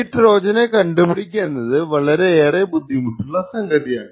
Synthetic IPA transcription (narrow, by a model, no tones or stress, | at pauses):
ʈːɾoːd͡ʒɐneːkɐɳɖɯpɪɽɪk̬ʲːɐnɐðɯʋɐɭɐɾeeːɾɐbʊd̪ʱːimʊʈːɯlːaːsɐŋɡɐʈːɪjaː